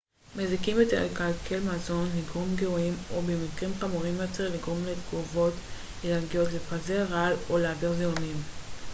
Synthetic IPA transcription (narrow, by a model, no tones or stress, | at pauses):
mezikimbet̪eʁlekalkʰe̞lmazo̞nliɡʁomɡeoimobemikʁimχamuʁimot͡seʁliɡʁo̞mlet̪ɡuvo̞t | lelalɡijo̞tlepazeʁaloleadeʁzeonim